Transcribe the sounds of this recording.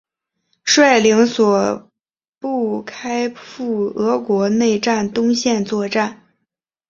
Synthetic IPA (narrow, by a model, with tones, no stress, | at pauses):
ʂwa˥˩ɪli˧˥ŋswɔ˨˩ | pu˥˩kʰa˥ɪfu˥˩ɤ˧˥kwɔ˧˥ne˥˧ɪʈ͡ʂa˥˩nt̪ʊ˥ŋɕjɛ˥˧nt͡swɔ˥˧ʈ͡ʂa˥˩n